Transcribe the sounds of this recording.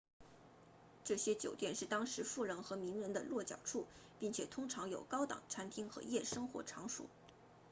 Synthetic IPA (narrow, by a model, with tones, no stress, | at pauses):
ʈ͡ʂɤ˥˩ɕjɛ˥t͡ɕjo˨˩ʊt̪jɛ˥˧nʂɻ̩˥˩t̪ɑ˥ŋʂɻ̩˧˥fu˥˩ɻə˧˥nxɤ˧˥mi˧˥ŋɻə˧˥nd̪ə̰˧lwɔ˥˩t͡ɕjɑ˨˩ʊʈ͡ʂʰu˥˩ | pi˥˩ŋt͡ɕʰjɛ˨˩t̪ʰʊ˥ŋʈ͡ʂʰɑ˧˥ŋjo˨˩ʊkɑ˥ʊt̪ɑ̰˨˩ŋʈ͡ʂʰa˥nt̪ʰi˥ŋxɤ̰˧˥jɛ˥˩ʂɤ˥ŋxwɔ̰˧˥ʈ͡ʂʰɑ˧˥ŋʂṵ˨˩˦